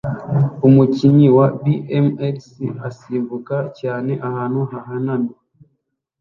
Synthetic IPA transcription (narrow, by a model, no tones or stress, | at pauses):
umuciɲiwabiemeksiasiːmbukacaːne̞ʔahaːn̥huɦaɦanami